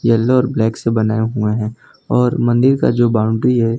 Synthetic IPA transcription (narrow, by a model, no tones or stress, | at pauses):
jɐlːeɔːɾblɛːksebɐnaːeɦueɦɛ̃ː | ɔːɾmɐ̃nd̪ɪɾka̰d͡ʒoːbãːʊ̃ɳɖɾiɦɛ